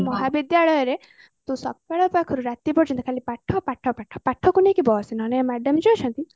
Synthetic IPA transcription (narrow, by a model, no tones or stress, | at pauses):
mɔɦabid̪jaɭɔjɔɾe | t̪ũsɔ̰kpaɭɔpakʰɔɾuɾat̪ipɔɾt͡ʃʰɔnt̪ikʰalipaʈʰːɔpaʈʰːɔpaʈʰːɔ̥paʈʰɔkunekibɔsinɔnemɛɖɔmd͡ʒiːt͡ʃʰɔnt̪i